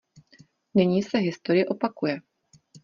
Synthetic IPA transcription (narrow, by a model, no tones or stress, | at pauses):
nɪɲiːsɛɦɪst̪oɾɪjɪʔo̞pakujɛ